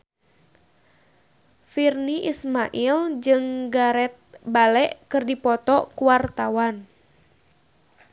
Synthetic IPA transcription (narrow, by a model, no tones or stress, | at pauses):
firniʔismaʔild͡ʒɨŋɡaɾɛt̪̚balɛʔkɨrdipɔt̪ɔkuwart̪awan